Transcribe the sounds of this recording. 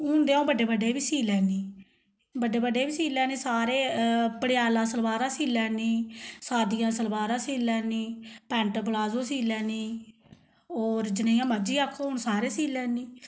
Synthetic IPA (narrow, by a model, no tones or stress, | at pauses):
ɦʊːnd̪eːaõːbəɖeːbəɖeːbiːsiːlɛːniː | bəɖeːbəɖeːbiːsiːlɛːnĩːsaːɾeːpəɽɪjaːlãːsəlbaːɾãːsiːlɛːniːsaːd̪ijãːsəlbaːɾãːsiːlɛːniːpɛ̃ːɳʈplaːzõːsiːlɛːniː | oːɾd͡ʒɪnẽjãːməd͡ʒiːaːkʰːoːɦʊɳsaːɾeːsiːlɛːniː